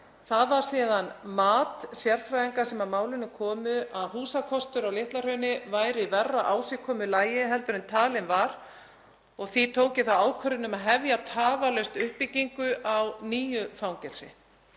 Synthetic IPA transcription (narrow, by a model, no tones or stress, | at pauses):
θaðvaɾ̥siːðanmaːt̪sjɛɾ̥fɾajðiŋkasɛmaðmaːwlɪnːʏkʰɔːmʏʔaðɦuːsakʰɔst̪ʏɾawlɪht̪lar̥œɥnɪvaːjɾɪvɛrːaʔaːwsɪkʰɔːmʏlaːjɪɦɛlt̪ʏɾɪnt̪ʰaːlɪnvaɾ | ɔɣθit̪ʰoːwcɪθawaːwkʰvœɾɪnʏmaðɦɛvjat̪ʰaːvalœɥst̪ʏhpːiciŋkʏʔawniːjʏfawŋcɛɾ̥sɪ̰